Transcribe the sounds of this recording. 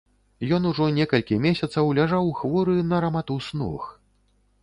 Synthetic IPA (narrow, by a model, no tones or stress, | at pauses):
jɔnuʐɔnʲɛkɐlʲkʲimʲesʲɐt̪sɐwlʲaʐawxvɔɾɨnɐɾɐmat̪usnɔ̰x